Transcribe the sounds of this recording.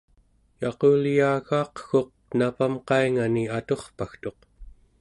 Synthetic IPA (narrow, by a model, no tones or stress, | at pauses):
jɑqoljaːɣɑːqxo̞q̚napamqɑiŋaniat̪o̞χpaxt̪o̞q